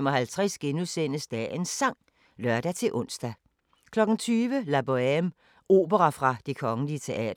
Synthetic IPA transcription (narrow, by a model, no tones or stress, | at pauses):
mɒɦælt͡sʰʁɛsɡ̥enusen̰əsd̥æensɑ̈ŋ̰ | lɶɐd̥æt͡sʰe̝lʔɔ̽n̰sd̥æ | kʰlɒ̽ɡ̥n̩t͡sʰyːʋəlæb̥oem | ʔo̝̰ːb̥əʁɑfʁɑ̈d̥e̝kʰɒ̽ŋəliət͡sʰe̝ʔɛ̰ːdɐ